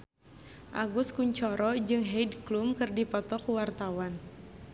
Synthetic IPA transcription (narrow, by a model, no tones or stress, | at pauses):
ʔa̰ɡuskuɲt͡ʃɔɾɔd͡ʒɨŋɦɛdklumkɨrdipɔt̪ɔkuwart̪awan